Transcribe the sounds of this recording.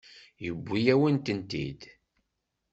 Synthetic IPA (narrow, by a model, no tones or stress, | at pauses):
jəbʷːijæwənt̪ənt̪ḭd̪